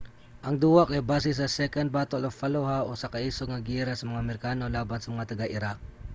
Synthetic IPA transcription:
ʔɐŋd̪uːwakɛjbaːsɪs̬ɐsɛkɐnd̪̚baːt̪olofɐloɦaʔosɐkɐʔiːsoɡ̚ŋɐɡiɾasɐmɐŋamɛɾkaːnolaːbansɐmɐŋat̪ɐɡaʔɪɾak̚

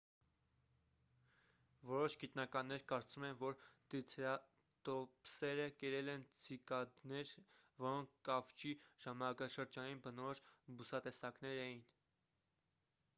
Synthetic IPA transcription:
vɔɾɔʃɡit̪nɑkɑnːɛɾkɑɾt͡sumɛnvɔɾt̪it͡sʰɾɑ | t̪ɔpsɛɾəkɛɾɛlɛnt͡sʰikɑd̪nɛɾvɔɾɔŋk̚ʰkːɑft͡ʃiʒ̥ɑmɑnɑkɑʃəɾd͡ʒɑninbənɔɔʃbusɑt̪ɛsɑknɛɾɛjin

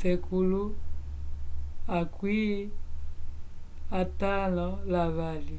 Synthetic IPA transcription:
sɛkʰulu | akwi | atanɔlaβali

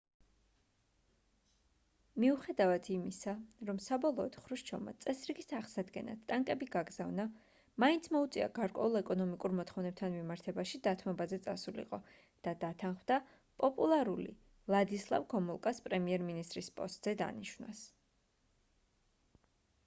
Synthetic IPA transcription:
miuχɛd̪avat̪ʰimisaɾɔmsabɔlˠɔːd̪̥χɾuʃt͡ʃʰɔma̰t̪sʼɛsɾiɡist̪ʰaʁsad̪ɡɛ̰na̰t̪̚t̪ʼaŋkʼɛbiɡaɡzavna | maint̪sʰmɔut̪sʼḭa̰ɡaɾkʼwɛ̰ulˠɛkʼɔnɔmikʼuɾmɔt̪ʰχɔvnɛb̚p̚t̪ʰanmimaɾt̪ʰɛbaʃid̪at̪ʰmɔbazɛt̪sʼasulḭqʼɔ | d̪̥ad̪at̪ʰanχmd̪a | pʼɔpʼulˠaɾulḭ | lˠad̪islˠa̰vɡɔmulˠkʼaspʼɾɛmiɛɾminist̪ʼɾispʼɔ̰st̪ʼz̥ɛd̪a̰niʃwna̰s

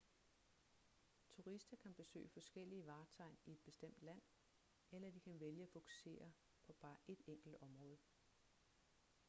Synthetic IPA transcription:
t͡sʰuʁisd̥ɐkʰænb̥e̝sø̰ːɪfɒ̽sɡ̥el̰iəʋɑ̈ːt͡sʰɑ̈ɪnie̝d̥b̥e̝sd̥em̰d̥læn̰ | elɐd̥ikʰænʋeljəæfo̝kʰu̥se̝̰ːɐ | pʰɒ̽b̥ɑ̈ːʔe̝d̥eŋ̰ɡ̥l̩d̥ɒ̽mʁɔ̽ːð̞ˠ

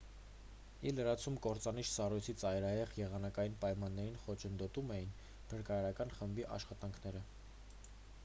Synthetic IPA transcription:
iləɾɑt͡sʰumkɔɾt͡sɑniʃʰsɑrujt͡sʰit͡sɑjɾɑjɛʁjɛʁɑnɑkɑjinpɑjmɑnːɛɾinχɔt͡ʃʰənd̪ɔt̪umɛjin | b̥ʰəɾkɑjɑɾɑkɑnχəmbiʔɑ̰ʃχɑt̪ɑŋkʰnɛɾə

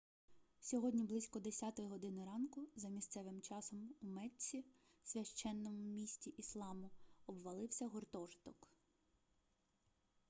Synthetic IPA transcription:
sʲɔɦɔdʲnʲiblˠɪsʲkɔd̪esʲɑt̪ɔjiɦɔd̪ɪnɔɾɑnkʊzɐmʲist̪sɛʋɪmt͡ʃɑsɔmumɛt͡sʲisʲʋʲɐʃt͡ʃːɛnːɔmʊmʲisʲtʲiʔislˠɑmʊɔbʋɐlˠɪwsʲɐɦɔrt̪ɔʒt̪ɔk

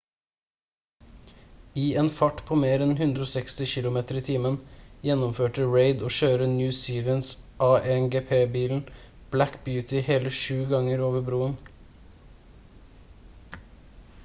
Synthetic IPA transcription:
iːeːnfɑʈpʰoːmeːɾɛnhʉnd̪ɾoːsɛkst̪ɪçɪlʊmeːt̪əɾiːt̪ʰiːmənjɛnʊmføːʈəɹeɪd̪oːʃøːɾənjʉːsiːʋəns | ʔɑːʔɛŋɡeːpʰeːbiːln̩ | b̥lækbjʉːt̪ʰɪheːləʃʉːɡɑŋəɾoːʋəbɾuːən

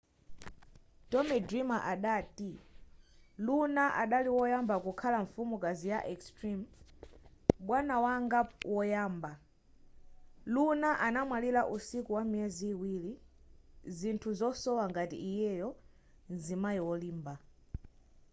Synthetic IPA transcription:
tɔmɛdɾimaʔaɗati | lunaʔaɗaliwɔjambakukʰalaɱfumukazijaʔɛkstɾim | ɓwanawaŋɡawʔɔjaːmba | lunaʔanamwalilaʔusikuwamiɛziːwili | zintʰuzɔsɔwaŋɡatḭijɛjɔ | nzimajiwɔliːmba

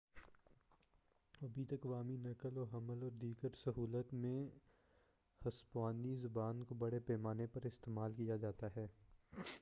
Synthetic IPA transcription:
ɐbʱit̪ɐkʋaːminɐkəlɔːɦɐməlɔːɾd̪iːɡəɾsɐɦuːlət̪mẽ | hɐspaːnizʊbaːnkobɐɽepɛːmaːnepɐɾɪst̪eːmaːlkijad͡ʒaːt̪aɦɛː

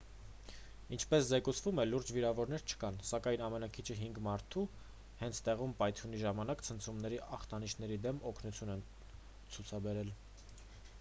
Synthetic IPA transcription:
int͡ʃʰpɛszɛkut͡sʰvumɛluɾd͡ʒviɾɑvɔɾnɛɾt͡ʃʰə̥kɑnsɑkɑjnɑmɛnɑkʰit͡ʃʰəɦiŋɡmɑɾt̪ʰu | hɛnt͡sʰt̪ɛʁumpɑjt̪ʰjuniʒɑmɑnɑkt͡sʰənt͡sʰumnɛɾiʔɑχt̪ɑniʃnɛɾid̪ɛmɔkʰnut͡sʰjunɛn | t͡sʰut͡sʰɑbɛɾɛl

